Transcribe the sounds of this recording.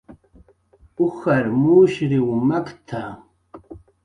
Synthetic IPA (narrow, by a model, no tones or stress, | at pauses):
uxɐɾmuːʃɾiumɐkt̪ʰa